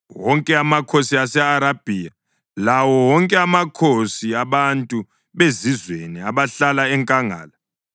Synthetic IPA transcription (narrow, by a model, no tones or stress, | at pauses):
wɔŋkʼɛamakʰosiasɛaɾab̥ʱia | lawɔwɔŋkʼɛamakʰosiaβantʼu | βezizweniaβaɬalaɛŋkʼaŋa̰ːla